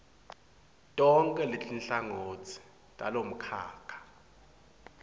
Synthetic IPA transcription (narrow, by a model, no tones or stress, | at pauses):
tʼɔŋkʼɛletinɬaŋoːt͡sʰi̥ | tʼalom̩kʰa̰ːkʰḁ